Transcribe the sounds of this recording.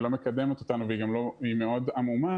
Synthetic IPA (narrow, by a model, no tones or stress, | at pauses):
lo̞me̞kad̪e̞met̪ot̪anuveiɡamlo̞ime̞o̞damuma